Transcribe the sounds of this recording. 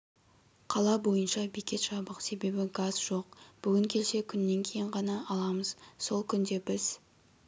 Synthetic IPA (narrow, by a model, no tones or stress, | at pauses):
qʰɑlˠɑbo̞jənʃɑbikʲe̞t̪ʃɑbəqse̞be̞bɪɡɑzʒo̞q̚b̥ʏɡʲɪŋkʲʰe̞lse̞kʲʰʏnːe̞ŋkʲʰejɪɴʁɑnɑʔɑlˠɑməz̥so̞lˠkʲʰʏnd̪e̞bɪz̥